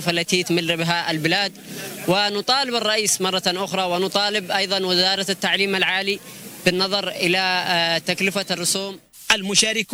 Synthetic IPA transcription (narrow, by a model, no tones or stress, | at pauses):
falːat̪it̪mɪlːɪbɦaʔalbɪlaːd̪wɪnʊt̪ˤɑːlɪbɪrˤːɑʔiːsmɑrˤːɑʔʊxɾˤɑwɪnʊt̪ˤɑːlɪbʔɑjðˤɑnwɪzɑːɾˤɑt̪ːaʕliːmalʕaːlib̥ɪnːɑðˤɑɾˤʔɪlat̪aklɪfarːʊsuːm | ʔalmʊʃaːɾɪk